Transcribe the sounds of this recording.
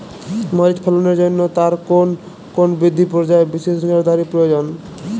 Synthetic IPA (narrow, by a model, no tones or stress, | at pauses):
mɔɾit͡ʃpʰelɔneɾd͡ʑonːot̪aɾkon | konbɾid̪ʱːipɾɔd͡ʑaebiʃeʃneɾd̪aɾipɾɔjod͡ʑon